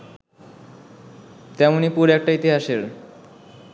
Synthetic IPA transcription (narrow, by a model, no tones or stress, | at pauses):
t̪ɛmonipuɾɛk̚ʈait̪iɦaʃeɾ